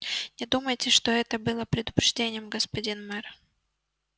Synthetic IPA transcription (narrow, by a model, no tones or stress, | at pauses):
nʲɪd̪uməjtʲɪʂt̪oɛt̪əbɨlˠəpɾʲɪd̪ʊpɾʲɪʐdʲenʲɪjəmɡəspɐdʲinmɛr